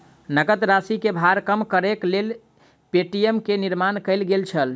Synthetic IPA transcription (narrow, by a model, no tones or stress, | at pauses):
nəɡət̪ɾasikebʱaɾkəmkəɾeklel | peʈiemkeniɾmankəɪlɡelt͡ʃʰəl